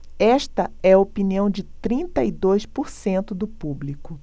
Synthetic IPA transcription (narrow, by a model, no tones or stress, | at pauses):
ɛʃt̪ɐɛɐopiniɐ̃w̃d͡ʒɪt̪ɾĩnt̪ɐid̪ojspoɾsẽnt̪ʊd̪ʊpublikʊ